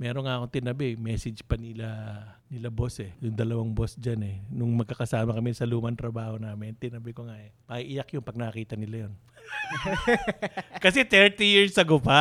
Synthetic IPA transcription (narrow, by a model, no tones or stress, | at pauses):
mɛːɾonŋaʔɐko̞nt̪ɪnɐbɛmɛːsɪd͡ʒpɐnɪlanɪlabo̞sɛjʊŋd̪ɐlɐwaŋbo̞sd͡ʒanɛnʊŋmɐɡ̚kɐkɐsaːmɐkɐmɪsɐluːmɐnt̪ɾɐbaːho̞naːmɪnt̪ɪnɐbɪkoŋaʔɛmɐʔiʔɪjakjʊnpɐɡ̚nɐkːɐkiːt̪ɐnɪlajo̞n | kɐsɛt̪ɛɹt̪ijiɹsɐɡopa